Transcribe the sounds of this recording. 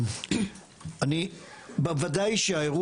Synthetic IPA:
anibevad̪ajʃeaeʁu

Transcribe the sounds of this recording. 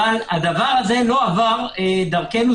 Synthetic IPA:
alad̪avaʁazɛlɔavaʁɛd̪aʁkɛnu

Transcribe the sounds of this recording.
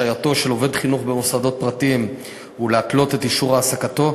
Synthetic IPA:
ajato̞ʃe̞lo̞ve̞d̪χinuχbe̞mosado̞t̪̚pʁat̪im | uleatlo̞te̞t̪iʃuʁaːsakat̪o̞

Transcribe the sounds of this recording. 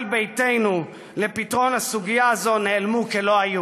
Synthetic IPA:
lbe̞jte̞jnu | le̞pitʁo̞nhasuɡijazo̞neːlmukelo̞aju

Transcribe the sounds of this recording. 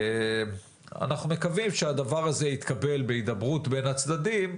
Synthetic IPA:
a̰naχnume̞kavimʃead̪avaʁaze̞it̪kabe̞lbeid̪abʁut̪be̞nat͡sd̪ad̪im

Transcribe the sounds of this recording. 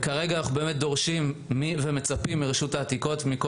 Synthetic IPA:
kaʁeɡanaχubemet̪̚d̪o̞ʁʃimːivemet͡sapimːiʁeʃutaːt̪iko̞tmiko

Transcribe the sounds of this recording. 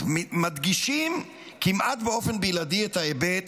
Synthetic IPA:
mmad̪ɡiʃim | kimʔat̪beo̞fenbejladiet̪haebet̪

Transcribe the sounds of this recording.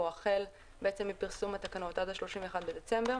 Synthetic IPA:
oaχe̞l | beʔet͡se̞mːipiʁsumhat̪akanaot̪ad̪aʃlo̞ʃimɱveːχad̪̚bed̪et͡se̞mbeʁ

